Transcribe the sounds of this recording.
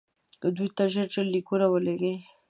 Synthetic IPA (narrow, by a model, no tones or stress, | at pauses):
kəd̪ujt̪aʒəɾʈ͡ʂəlːikuɾawəleɡe